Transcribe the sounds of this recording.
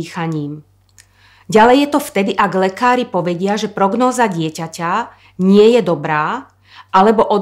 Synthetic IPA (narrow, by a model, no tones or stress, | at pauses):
xaɲiːm | ɟalɛjːɛt̪ɔft̪ɛd̪iʔaɡlɛkaːɾipɔʋɛɟɪaʒɛpɾɔɡnɔːzaɟɪɛcaca | ɲɪɛjɛd̪ɔbɾaː | ʔalɛbɔʔɔ